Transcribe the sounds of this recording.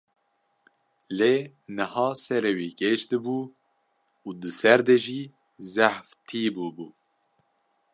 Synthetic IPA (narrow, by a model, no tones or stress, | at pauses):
leː | nɨhɑːsɛɾewiːkeʃd̪ɨbuː | uːd̪ɨsɛɾd̪eʒiː | zæħft̪ʰiːbuːbuː